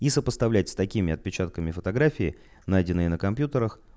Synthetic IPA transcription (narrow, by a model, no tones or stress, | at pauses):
isəpəst̪ɐvlʲæt̚ʲsʲt̪ɐkʲimʲɪɐt̪̚pʲɪt͡ɕat̪̚kəmʲɪfət̪ɐɡɾafʲɪɪ | najdʲɪnːɨjənəkɐmpʲjut̪əɾəx